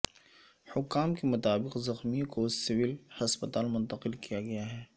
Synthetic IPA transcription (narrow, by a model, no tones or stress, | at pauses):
hʊkːaːmkemʊt̪aːbɪqzɐxmikosɪʋɪlhɐspət̪aːlmʊ̃nt̪ɐqɪlkijaɡɐjaɦɛː